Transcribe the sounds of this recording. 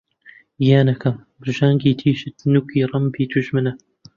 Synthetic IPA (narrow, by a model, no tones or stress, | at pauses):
jaːnɐkʰɐmbɨɾʒaːŋɡiːt̪ʰiːʃɨt̪nukiːɾˤɐmbiːt̪ʰuʒmɨnɐ